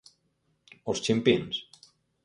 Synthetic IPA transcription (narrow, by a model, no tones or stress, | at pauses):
ost͡ʃimpins